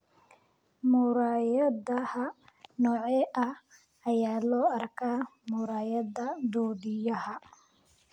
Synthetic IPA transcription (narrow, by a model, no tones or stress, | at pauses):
mʊːɾaːjɐdɐhɐnɔːʕɛːʔɐh | ɐjaːlɔːɐrkʰaːmʊːɾaːjɐðɐd̪ɔːd̪ɪjɐɦɐ